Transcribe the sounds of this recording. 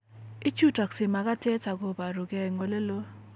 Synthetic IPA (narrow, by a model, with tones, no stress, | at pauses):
i˦t͡ʃu˦˨ta˨ksɪ˨ma˨ɡa˦te˦t͡ʃa˨ɡo˨ba˨ɾo˨ɡɛ˨ŋo˨le˦lo˦